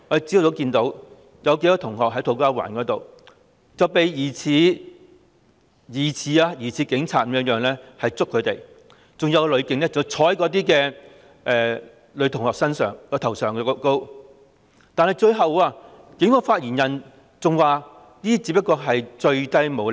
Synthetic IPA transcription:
ŋɔ˨˧d̪e˨˩t͡si˥o˥˩t̪o˨˧˥wkiː˧nt̪o˨˥w | jɐ˨˧wke˧˥kɔː˧t̪ʰʊ˨˩ŋɦɔː˨k̚ɦɐ˨˥jt̪ʰo˨˧wkaː˥wa̰ː˨˩nkɔː˨˥t̪o˨w | t͡sɐ˨wpe˨˧jjiː˨˩t͡sʰiː˨˧ | jiː˨˩t͡sʰiː˨˧aː˧jiː˨˩t͡sʰiː˨˧kɪ˨˥ŋt͡sʰaː˨t̚m̩̚˨˦˥jœː˨ŋlɛː˥hɐ˨jt͡sʊ˥kʰːɵ˨˧t̪e˨˩j | t͡sʊ˨ŋjɐ˨˧wlɵ˨˧ɥkɪ˧˥ŋlɛː˥t͡sɐ˨˩wt͡sʰɔː˨˥jkɔː˨˥t̪iː˥kɛː˧ | ʔɛː˨˩ | lɵ˨˧ɥt̪ʰʊ˨˩ŋhɔː˨k̚sɐ˥nsœ̰ː˨˩ŋjɔː˧t̪ʰɐ˨˩wsœː˨˩ŋkɛ˧ko˥ko˥w | t̪aː˨nhɐ˨jt͡ʃɵ˧ɥɦɐ˨waː˧ | kɪ˨˧˥ŋhɔː˨˧faː˧t̚jiː˨˩njɐ˨n | t͡sʊ˨ŋwaː˨ | niː˥˩t͡si˨˧˥pːɐ˥tkːɔː˧ɦɐ˨jt͡ʃɵ˧ɥt̪ɐ˥jmo˨˧w

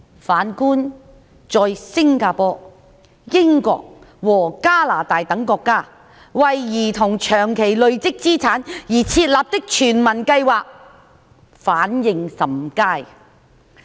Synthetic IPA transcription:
faː˨˥nkuː˥n | t͡sɔː˨˧jsɪ˥ŋkaː˧pɔː˧˥ | jɪ˥ŋkɔ̰ː˧k̚ | wɔː˨˩kaː˥laː˨˩t̪aː˨jt̪ɐ˨˥ŋkɔː˧kːaː˥ | wɐ˨jːiː˨˩t̪ʰʊ˨˩ŋt͡ʃʰœː˨˩ŋkʰe˨˩jlɵ˨˧ɥt͡sɪ˥k̚t͡siː˥t͡sʰaː˨˥njiː˨˩t͡sʰiː˧t̚laː˨p̚t̪ɪ˥k̚t͡ʃʰyː˨˩nmɐ˨˩nkɐ˧jwaː˨k̚ | faː˨˥njɪ˨˧ŋsɐ˨mkaː˥˩j

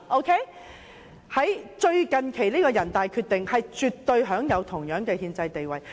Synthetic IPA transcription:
ʔo˧wkʰe˥ | hɐ˨˥jt͡ʃɵ˧ɥkɐ˨nkʰe˨˩jliː˥kɔː˧jɐ˨˩nt̪aː˨jkʰyː˧t̪̚ɪ˨ŋhɐ˨jt͡ʃyː˨t̪̚ːɵ˧ɥɦœː˨˥ŋjɐ˨˧wt̪ʰʊ˨˩ŋjœː˨˥ŋkɛː˧hiː˧nt͡sɐ˧jt̪e˨jwɐ˨j

